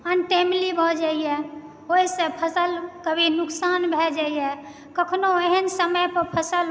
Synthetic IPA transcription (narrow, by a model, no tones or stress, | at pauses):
ənʈemlibʱɔd͡ʒaijɛ | oɦisẽpʰəsəlkəbʱinuksanbʱɛd͡ʒaijɛ | kəkʰnoeɦənsəməjpəɾpʰəsəl